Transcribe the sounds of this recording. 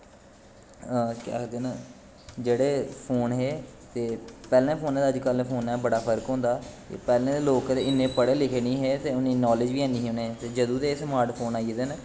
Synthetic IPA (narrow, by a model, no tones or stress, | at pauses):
kja̰ːkd̪eːnaː | d͡ʒeːɽeːpʰoːnɦeːt̪eːpɛːlẽːpʰoːnɛ̃ːd̪əd͡ʒkəlːeːpʰoːnɛːbəɽaːpʰəɾkɦõːnd̪aːt̪ḛːpɛːlẽːd̪eːloːkɾeɪnːẽːpəɽeːlɪkʰeːnĩːɦeːt̪eːʊniːnɔːlɪd͡ʒʋiːɛ̃ːniːɦõːnẽːt̪eːd͡ʒəd̪ũːt̪eːsmaːɾʈpʰoːnaːied̪eːn